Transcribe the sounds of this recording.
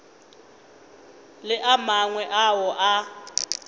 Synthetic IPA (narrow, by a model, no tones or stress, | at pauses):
lɪʔamaŋwɛʔawɔʔa